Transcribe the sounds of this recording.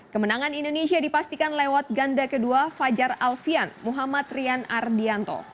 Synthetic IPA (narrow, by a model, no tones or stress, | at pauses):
kəmənaŋanindonesiadipast̪ikanlewat̪̚ɡandakəduafad͡ʒaralfianmuɦamat̪riana̰rdiant̪o̰